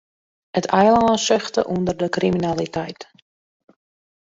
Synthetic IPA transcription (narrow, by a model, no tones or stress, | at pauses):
ətʰɛjlaːnsɪχtəʔundərdəkriminalitɛjt